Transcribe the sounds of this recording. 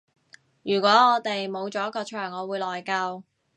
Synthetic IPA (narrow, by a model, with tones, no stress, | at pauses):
jyː˨˩kʷɔː˨˥ŋɔː˨˧t̪e˨jmo˨˧wt͡sɔː˨˥jɐ˥t̚kɔː˧t͡ʃʰœː˨˩ŋɔː˨˧wuː˨˧jlɔː˨jkɐ˧w